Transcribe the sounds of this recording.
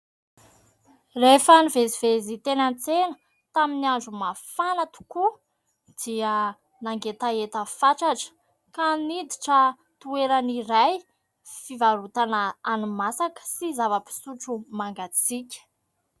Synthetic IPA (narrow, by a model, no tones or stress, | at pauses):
refənivezivezit̪enant͡senə̥ | t̪aminiaɳɖ͡ʐumafanat̪u̥ku | d̪̥iə | naŋɡet̪aet̪əfaʈ͡ʂaʈ͡ʂə̥ | kanid̪iʈ͡ʂə | t̪ueɾaniɾaj | fivaɾut̪anaanumasakə̥sizavəpi̥suʈ͡ʂumaŋɡat͡sikʲə̥